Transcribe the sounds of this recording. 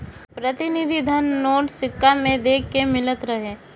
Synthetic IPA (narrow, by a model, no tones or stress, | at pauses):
pɾət̪ɪnɪd̪ʱid̪ʱənːoːʈsɪkːamẽd̪eːkːemɪlət̪ɾəɦe